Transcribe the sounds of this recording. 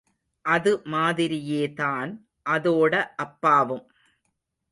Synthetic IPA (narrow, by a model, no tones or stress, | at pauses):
ʔɐðɯmaːðɪɾɪjeːðaːn | ʔɐðoːɽɐʔɐpːaːʋɯm